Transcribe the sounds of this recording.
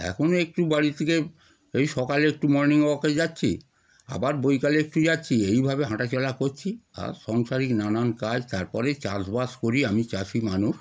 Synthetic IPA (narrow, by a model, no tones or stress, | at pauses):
ɛ̰kʰonoek̚ʈubaɽit̪ʰeke | ejʃɔkaleek̚ʈumɔɾniŋoked͡ʑatːɕʰi | a̰baɾbojkaleek̚ʈud͡ʑatːɕʰiejbʱabeɦaʈat͡ɕɔlakoɾt͡ɕʰia̰ɾʃɔŋʃaɾiknanankad͡ʑt̪aɾpɔɾet͡ɕasbaskoɾiamit͡ɕaʃimanuʃ